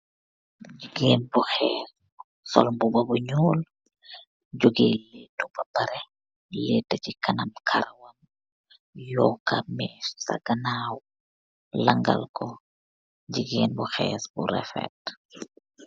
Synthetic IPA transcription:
ɟiɡeːnbuxɛːs | sɔ̰lmbubɐbuɲɔːl | ɟuɡelɛtːubɐbɐɾɛ | lɛtːɐcikɐnɐmkʰɐɾɐwɐm | jɔːkːɐmɛsɐ̰ɡɐnaːw | lɐŋɡɐ̰lkɔ | ɟiɡeːnbuxɛ̰ːsbṵɾɛ̰fɛ̰t

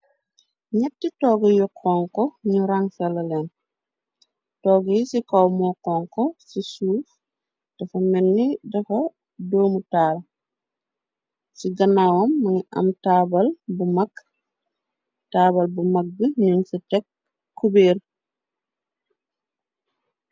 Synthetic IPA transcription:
ɲɛtːitɔːɡəjɔkʰːɔːŋkɔɲuɾaŋsɐlɐlɛn | tɔːɡjisikɐwmɔːkɔŋkɔsisuːf | d̥ɐfɐmɛnːidɐfɐ | doːmutaːl | siɡɐnawɐmːɐŋiʔɐ̰mtabɐlbumɐkː | taːbɐlbumɐk̚ɡəɲunsitɛkː | ubeːr

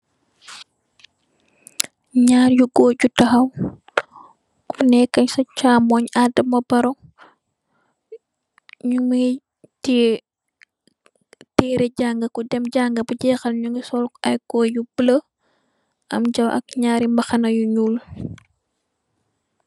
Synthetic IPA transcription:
ɲaːɾjuɡɔːɟutɐxɐw | kunɛkːɐɲsɐt͡ʃaːmɔɲadɐmɐbɐɾɔŋ | ɲuŋi | ti | tɛːɾɛɟaːŋɡɐkudɛmɟaːŋɡɐbɐɟɛːxɐlɲuŋisɔlkɐjɡɔːjubələ | ʔɐ̰mɟɐwɐ̰k̚ɲaːɾimbɐxɐnɐjuɲuːl

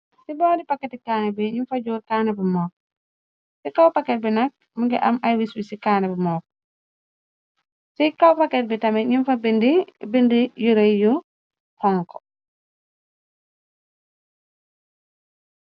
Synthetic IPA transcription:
sibɔːdipɐkːɛtikaːnɛbiɲinfɐd͡ʒuːɾkaːnɛbimɔːk̚ | sikawpakːɛt̚binɐk̚ | muŋɡɛʔɐmʔajwisbisikaːnɛbimɔːk̚ | sikawpakːɛt̚bitɐmɛɲinfabindibindijuɾejju | hɔŋkɔ

